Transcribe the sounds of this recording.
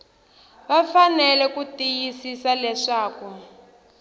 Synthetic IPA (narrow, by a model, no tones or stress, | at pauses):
βafanɛlɛkutijisisalɛʂaːku